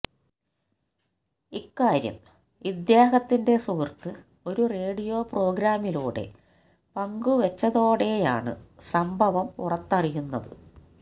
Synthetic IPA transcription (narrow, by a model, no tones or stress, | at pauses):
ikːaːɾjɐ̰m | ʋid̪jaːɦɐt̪ːinde̞suʋirt̪ːɨ | o̞ɾure̞ːɽijo̞ːpro̞ːɡɾaːmiluːɽe̞̰ | pɐŋɡuʋet͡ɕːɐðo̞ːɽe̞ja̰ːɳɨ̰sɐmbʱɐʋɐmpṵrɐt̪ːɐrijunːɐðɨ̰